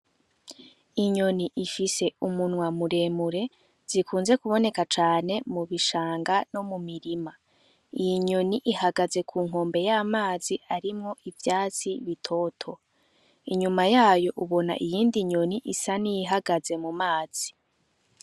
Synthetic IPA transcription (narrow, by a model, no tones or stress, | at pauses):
iɲo̞niʔifise̞umunwamuɾe̞ːmuɾe̞ | z̥ikʰuːnze̞kuβo̞ne̞kat͡ʃaːne̞muβiʃaːŋɡano̞mumiɾima | ijiɲo̞niʔihaɡaze̞kʰuːŋɦo̞ːmbe̞jaːmaːziʔaɾimŋo̞ʔivjaːt͡siβitʰo̞ːtʰo̞ | iɲumajaːjo̞ʔuβo̞na̰ʔijiːndiɲo̞niʔisanijiɦaɡaze̞mumaːz̥i